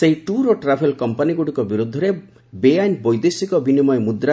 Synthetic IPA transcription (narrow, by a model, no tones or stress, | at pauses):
seɦiʈuɾoʈɾapʰelkɔmpaniɡuɽikɔbiɾud̪ʱːɔɾe | beajnbɔjd̪esikɔbinimɔjmud̪ɾa